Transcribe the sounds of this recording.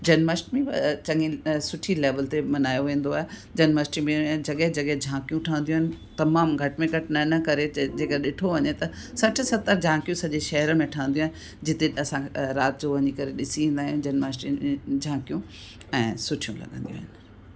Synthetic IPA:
d͡ʑɐnməsʈmẽt͡ɕɐ̃ŋɡĩsʊʈʰileːʋəlt̪emɐnaːjoʋẽːn̆d̪oaːɦed͡ʑɐnməsʈimẽd͡ʑɐɠəɦd͡ʑɐɠəɦd͡ʑʱãːkijũʈʰaːə̃nd̪ijũɦɪnɪ̆ | t̪ɐmaːmɡʱɐʈmẽɡʱɐʈnɐnɐkɐɾed͡ʑeːkəɾɗɪʈʰoʋɐɲet̪ɐ | sɐʈʰɪ̆sɐt̪əɾd͡ʑʱãːkijũsɐʄeʃɐɦəɾəmẽʈʰaːə̃nd̪ij̃ũːɦɪnɪ | d͡ʑɪt̪eɐsãɾaːt̪d͡ʑoʋɐɲikɐɾeɗɪsiẽnd̪aːɦjũd͡ʑɐnməsʈiẽd͡ʑʱãːkijũ | ɛ̃ːsʊʈʰijũlɐ̰ɠə̃nd̪ijṵ̃aːɦɪnɪ̆

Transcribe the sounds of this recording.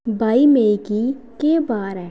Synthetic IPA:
baːimeːki | kebaːɾɦɛː

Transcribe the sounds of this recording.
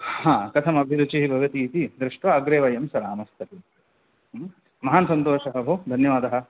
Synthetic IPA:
hãːkɐt̪ʰɐmɐbʱiɾut͡ʃiɦibʱɐʋɐt̪iːt̪id̪ɾiʂʈʋɐːɡɾeːʋɐjɐmsɐɾaːmɐst̪ʰɐt̪i | mɐɦaːnsɐnt̪oːʃɐɦɐbʱoːd̪ʱɐnjɐʋaːd̪ɐɦɐ̆

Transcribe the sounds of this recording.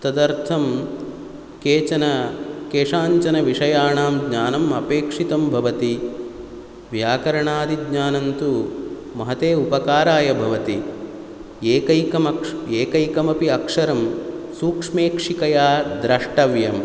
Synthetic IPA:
t̪ɐd̪ɐɾt̪ʰɐm | keːt͡ʃɐnɐkeːʂaːɲt͡ʃɐnɐʋiʂɐjaːɳaːmɡɲaːnɐmɐpeːkʂit̪ɐmbʱɐʋɐt̪i | ʋjaːkɐɾɐɳaːd̪iɡɲaːnɐnt̪u | mɐɦɐt̪eːupɐkaːɾaːjɐbʱɐʋɐt̪i | eːkɐjkɐmɐeːkɐjkɐmɐpiɐkʂɐɾɐmsuːkʂmeːkʂikɐjaːd̪ɾɐʂʈɐʋjɐm

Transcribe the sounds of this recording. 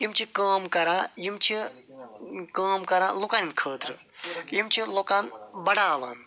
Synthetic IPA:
imt͡ʃʰikaːmkɐɾajimt͡ʃʰi | kaːmkɐɾalukaninkʰəːt̪ɾɨjimt͡ʃʰiloːkaːnbɐɽaːʋaːn

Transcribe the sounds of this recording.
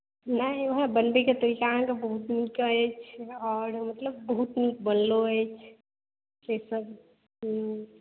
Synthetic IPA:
nəiʋəɦãbənbeket̪oikãkebəɦut̪nikəjt͡ʃʰɔːɾmət̪ləbːəɦut̪nikbənloət͡ʃʰ | tesəb

